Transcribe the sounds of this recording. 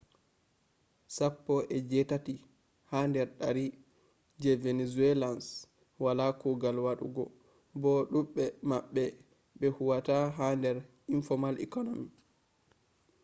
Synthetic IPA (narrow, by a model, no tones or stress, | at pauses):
sapːɔʔɛd͡ʒɛtati | handɛɾɗaɾi | d͡ʒɛvenezuɛlans | walakuɡalwaɗṵɡɔ | bɔɗuɓːɛmaɓːɛ | ɓɛhuwataɦandɛɾ | infɔmalɛ̰kɔnomi